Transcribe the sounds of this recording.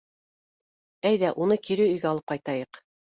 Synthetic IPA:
æjðæʔunɤkiɾɘɵ̆jɡæɑlˠɤp̚qɑjt̪ɑjɤq

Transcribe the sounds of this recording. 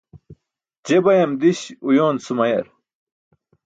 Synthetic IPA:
d͡ʑebɐjɐmd̪iɕujoːnsumɐjɐ̰ɾ

